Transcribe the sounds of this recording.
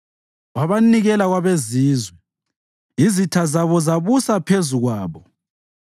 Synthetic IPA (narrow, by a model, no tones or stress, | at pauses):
ɣaβaniɣɛlaɣwaβeziːzwɛ | izitʰazaβɔzaβusapʰezuɣwaːβɔ